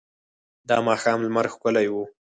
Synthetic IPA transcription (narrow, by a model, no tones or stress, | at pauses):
d̪ɑmɑxɑmlmaɾxkʊlajwu